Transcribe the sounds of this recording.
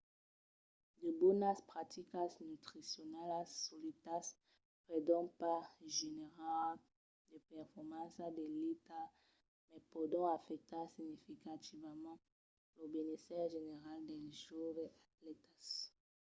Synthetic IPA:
d̪əbɔnaspχat̪ikasnyt̪χisjɔnalasulit̪as | pʁed̪ɔ̃paʒeneʁal | d̪əpɛʁfɔʁmɑ̃sad̪elit̪a | mɛpod̪ɔ̃afɛk̚t̪asiɲifikat̪ivmɑ̃ | lobenesɛʁʒeneʁald̪ɛʒoveat̪lɛt̪as

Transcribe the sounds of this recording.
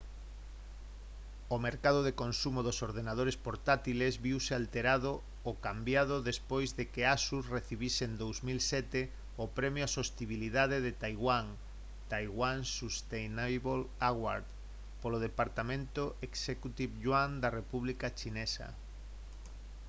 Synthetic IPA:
omeɾkaðoðekonsumoðosoɾðenað̞oɾespoɾt̪at̪ilezβiwsealt̪eɾaðo | okambjað̞oðespojzðekeasusreθiβisend̪owzmilsɛt̪e | opɾɛmjoasost̪iβiliðað̞eðet̪ajɣwaŋ | t̪ajɣwaŋsust̪ejnajβolaɣwa̰ɾð | poloð̞epaɾt̪amẽnt̪oʔeksekut̪iβʎwand̪arepuβlikat͡ʃinɛsa̰

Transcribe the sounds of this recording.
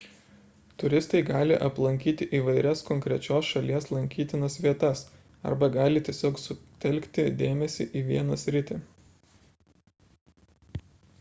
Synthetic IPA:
t̪ʊɾʲɪst̪ɐɪɡɑːlʲɪʔɐplˠɐŋʲkʲiːt̪ʲɪʔiːʋɐɪɾʲɛskɔŋʲkɾʲɛt͡ʃʲoːsʃɐlʲiɛslˠɐŋʲkʲiːt̪ʲɪnɐsʋʲiɛt̪ɐs | ɐ̰ɾbɐɡɑːlʲɪt̪ʲiɛsʲoːksʊt̪ʲɛlʲkt̪ʲɪd̪ʲeːmʲɛsʲɪʔiːʋʲiɛnɐsʲɾʲɪt̪ʲɪ

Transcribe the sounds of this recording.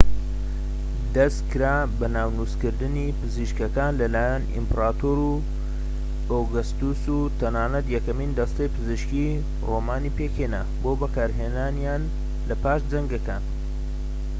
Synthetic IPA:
d̪ɐst̪kʰɨɾaː | bɐnaːwnuskɨɾd̪ɨnipɨziʃkɐkaːnlɐlaːjanḭmpɾaːt̪oːɾu | oɡɐst̪usut̪ʰɐnaːnɐt̪jɛkɐmiːnd̪ɐst̪ɐjpɨzɨʃki | roːmaːnipekheːna | boːbɐkaːɾɦeːnaːnjaːn | lɐpaːʃd͡zɐŋɡɐkaːn

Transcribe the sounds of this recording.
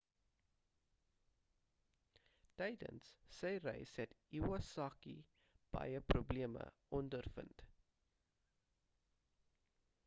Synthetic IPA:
tɛjdə̰nsːəjrɛ̰jsɦɛtiwɐsɑːkḭ | b̥ɐ̰jəprubliəmə̰ | ɔndərfə̰nt

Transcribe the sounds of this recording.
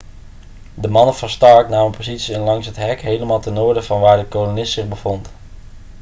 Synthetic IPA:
dəmɑnəvəɹstɑɹknaːənpozitsiɪnlɑŋsɦətɦɛkɦejləmaːlˠtənʊːɹdəvɑnʋaːɹdəkolonɪstsɪχbəv̥ont

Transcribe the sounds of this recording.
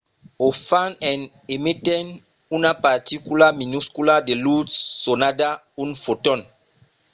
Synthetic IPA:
ofãnɛ̃n | emitɛn | unapaɾt̪ikulaminuskuladelutːonada | unfotɔ̃n

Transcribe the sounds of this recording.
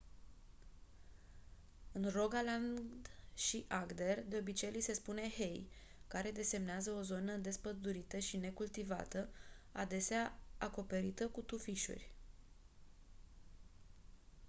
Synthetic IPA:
ɨnro̞ɡaland̪ʃiʔaɡd̪e̞rd̪e̞o̞bit͡ʃe̞jlise̞spune̞he̞j | kaɾe̞d̪e̞se̞mneazəo̞zo̞nəd̪e̞spəd̪uɾit̪əʃine̞kult̪iva̰t̪əad̪e̞seaako̞pe̞ɾit̪əkut̪ufiʃṵrʲ

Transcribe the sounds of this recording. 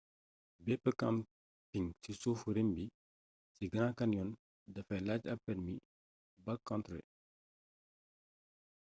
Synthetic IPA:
bɛːpːəkɐm | piŋsisoːfuɾembi | siɡɐŋakɐnjɔn | dɐfɛlaːcɐpːɛɾmi | bɐkːɔntɾɛ̰

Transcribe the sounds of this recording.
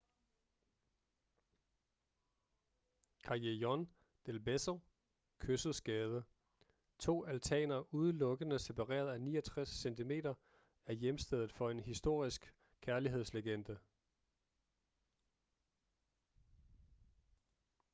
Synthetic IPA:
kʰɑ̈jejɒn | d̥elbesɐ | kʰøsð̩ˠsɡ̥ɛːð̞ˠə | t͡sʰo̝̰ːælt͡sʰɛ̰ːnɐuð̞ˠəlɔ̽ɡ̥ənəse̝pʰɑ̈ʁɛ̰ːɐð̞ˠænḭːɐɒt͡sʰʁasːent͡sʰime̝̰ːdɐ | æɐjemsd̥eð̞ˠð̩ˠfɒ̽e̝nɦisd̥o̝ɐ̰isɡ̥ | kʰːæɐliɦe̝ð̞̰ˠsleɡ̥end̥ə

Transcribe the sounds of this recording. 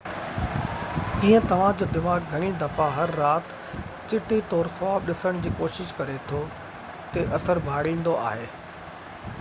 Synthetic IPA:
kĩːə̃t̪ɐʋ̤ãd͡ʑoːd̪ɪmaːɡɡʱɐɽ̃id̪ɐfaɦɐɾːaːt̪ | t͡ɕɪʈit̪ɔːɾxaːbɗɪsəɽ̃d͡ʑiːkoːʃɪʃkɐɾet̪ʰo | t̪eʔɐsəɾbʱaːɽĩːn̆d̪oa̰ːɦeː

